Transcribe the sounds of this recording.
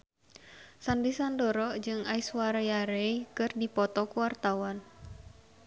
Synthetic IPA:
sandisandɔɾɔd͡ʒɨŋaiswaɾajaɾeikɨrdipɔt̪ɔkuwart̪awan

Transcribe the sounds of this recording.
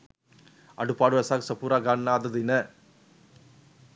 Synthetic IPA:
ɐ̰ɽɯpːaːɽɯʋɐsaːksɐpuːɾaːɡaːnːaːd̪ɐd̪inɐ

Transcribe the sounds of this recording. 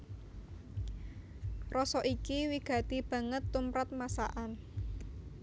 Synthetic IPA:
rɔsɔʔikiwiɡ̥ä̤t̪ib̥ä̤ŋət̪ːumpɾat̪̚masa̰ʔan

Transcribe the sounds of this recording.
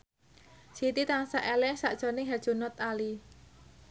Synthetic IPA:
sit̪it̪aŋsaʔɛlɛhsaʔd̥ʒ̥ɔ̤nɪŋɦɛ̥ʒ̥unɔt̪ali

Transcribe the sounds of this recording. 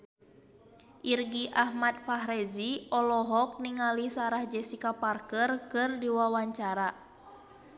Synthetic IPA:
ʔirɡiʔahmat̪̚faɦɾɛziɔlɔɦɔk̚niŋalisaɾahd͡ʒɛsikaparkərkɨrdiwawaɲt͡ʃaɾa

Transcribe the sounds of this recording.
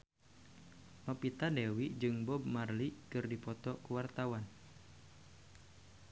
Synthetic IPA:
lɔpit̪adewiʔd͡ʒɨŋbɔb̚marlikɨrdipɔt̪ɔkuwart̪awan

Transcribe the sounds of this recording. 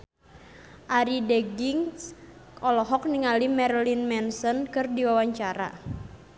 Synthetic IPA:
ʔaɾideɡiŋs | ʔɔlɔɦɔk̚niŋalimɛrlinmɛnsɔnkɨrdiwawaɲt͡ʃaɾa̰

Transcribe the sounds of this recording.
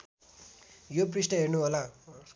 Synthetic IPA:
joprisʈʌɦernuɦola

